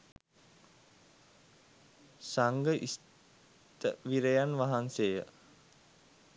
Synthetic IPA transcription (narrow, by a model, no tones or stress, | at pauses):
saŋɡəʔis | t̪əʋiɾejanʋaɦansejə